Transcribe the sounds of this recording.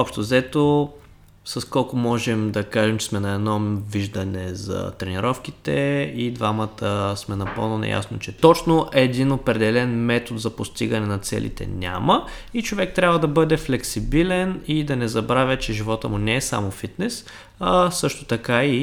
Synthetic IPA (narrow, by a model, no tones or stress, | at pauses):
ɔpʃt̪ʊzɛt̪o | sɐskɔlˠkʊmɔʒɛmd̪ɐkaʒɛmt͡ʃɛ̥smɛnɐɛd̪nɔviʒd̪ənɛzɐ̰t̪ɾɛniɾɔfk̟it̪ɛid̪vamət̪əsmɛnɐpɤ̰lˠnona̰ja̰snot͡ʃɛt̪ɔt͡ʃnoʔɛːd̪inopɾɛd̪ɛlɛnmɛt̪ot̪zɐpost̪iɡɐnɛnɐt̪sɛ̰lḭt̪ɛ̰nʲa̰mə | it͡ʃovɛk̚t̪ɾʲabvəd̪ɐbɤd̪ɛflɛksibilɛnid̪ɐnɛzɐbɾavʲɐt͡ʃɛʒivɔt̪əmʊnɛːsa̰mofit̪nɛs | sɤʃt̪ʊt̪ɐkai